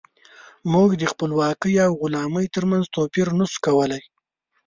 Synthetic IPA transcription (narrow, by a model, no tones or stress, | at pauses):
muɡd̪əxpəlwɑkəjawɣʊlɑməjt̪əɾmanzt̪opiɾnəskawəlaj